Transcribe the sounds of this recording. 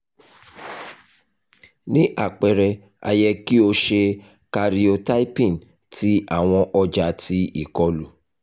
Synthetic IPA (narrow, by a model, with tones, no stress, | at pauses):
nĩ˦ʔa˦˨k͡pɛ˨ɾɛ˧ | a̰˧jɛ˧ki˦o˧ʃe˧ | ka˧ɾi˧o˧ta˦i˦pĩ˦˨n | ti˦ʔa˦˨w̃ɔ̃˧ʔɔ˧d͡ʒa˧ti˦i˦˨kɔ˨˦lu˨